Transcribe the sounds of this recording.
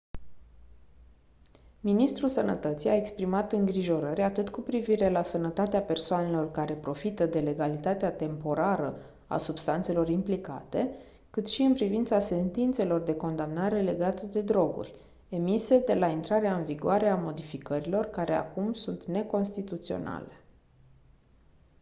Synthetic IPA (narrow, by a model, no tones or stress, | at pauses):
minist̪ɾusənət̪ət̪sijae̞kspɾimat̪ɨŋɡɾiʒo̞ɾəɾʲat̪ɨt̪kupɾiviɾe̞lasənət̪at̪eape̞rsoane̞lo̞rkaɾe̞pɾo̞fit̪əd̪e̞le̞ɡalit̪at̪eat̪e̞mpo̞ɾaɾə | a̰subst̪ant̪se̞lo̞rimplika̰t̪e̞ | kɨt̪ʃiɨnpɾivint̪sase̞nt̪int̪se̞lo̞rd̪e̞ko̞nd̪amnaɾe̞le̞ɡat̪əd̪e̞d̪ɾo̞ɡṵrʲ | e̞mise̞d̪e̞laint̪ɾaɾeaɨnviɡuaɾe̞amo̞d̪ifikəɾilo̞rkaɾʔe̞a̰kumsunt̪ne̞ko̞nst̪it̪ut̪sio̞̰na̰le̞